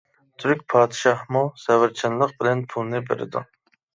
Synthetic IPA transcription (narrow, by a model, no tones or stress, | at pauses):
t̪ʰyɾkʲpʰɑːd̪ɨʃɑhmusɛvɪɾt͡ʃʰɪnlˠəq̚bɪlɛnpʰulˠnɨbḛɾɪ̰d̪ṵ